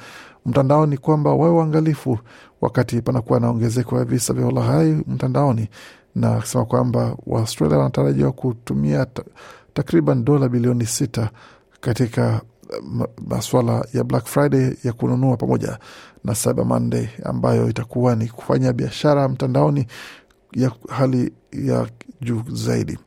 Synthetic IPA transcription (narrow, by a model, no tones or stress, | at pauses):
m̩tandaɔnikwambawawɛwaːŋɡalifu | wa̰katipanakuwanaɔŋɡɛzɛkɔjavisavjaɔlaɣaim̩tandaɔni | nasɛmakwambawa̰ustɾa̰liawanataɾaʄiwakutumiatakɾiɓanɗɔlaɓiliɔnisita | katika | ma̰swalajablakfɾaidɛjakununuapamɔʄa̰nasaɓa̰ma̰n̩dɛa̰mbajɔ̰itakuwaniku̥faɲaɓiaʃaɾam̩tandaɔni | jahali | ja̰ʄuːzaḭɗḭ